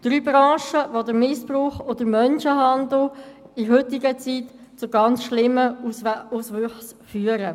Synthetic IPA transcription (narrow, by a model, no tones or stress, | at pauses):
d̥ɾyːbɾɑ̃ːʃəʋod̪əɾmɪspɾuːχod̥̪əɾmœnʃəɦɑnd̪l̩ | ɪɦʏtɪɡət͡sit | t͡sʊɡɑnt͡sʃlɪmːəusʋʏχs | fyːəɾə